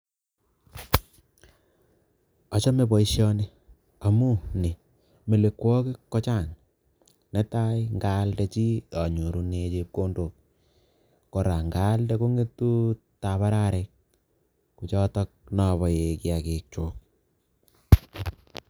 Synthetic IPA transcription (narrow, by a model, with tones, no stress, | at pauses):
ɔ˨t͡ʃɔ˦me˨bɔ˨i˦ʃjɔ˦ne˦ | a˨mu˦ne˨ | me˨le˨kwɔ˦kɪ˦kːɔ˦t͡ʃa˦˨ŋ | nɛ˦ta˦jŋɡa˦ldɛt͡ʃi˦ɔ˨ɲu˨ɾu˦ne˧t͡ʃep̚ko˦ndo˨k̚ː | kɔ˨ɾa˨ŋɡa˦ldɛko˦ŋɡe˦tːu˦ | ta˨βa˦ɾa˦ɾek̚ | ku˨t͡ʃɔ˦tɔ˦k̚nɔ˨βɔ˨je˨ki˦akek̚t͡ʃoːk̚